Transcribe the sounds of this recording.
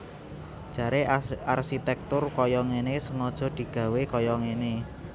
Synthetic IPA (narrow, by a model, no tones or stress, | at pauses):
d̥ʒ̥ä̤ɾearsit̪ɛk̚t̪ʊrkɔjɔŋenesəŋɔd̥ʒ̥ɔ̤d̪̥i̤ɡ̥ä̤wekɔjɔŋene